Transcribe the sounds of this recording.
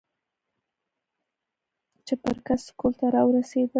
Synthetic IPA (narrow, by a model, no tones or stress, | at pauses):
t͡ʃɪpəɾkaskult̪aɾɑwɾased̪ə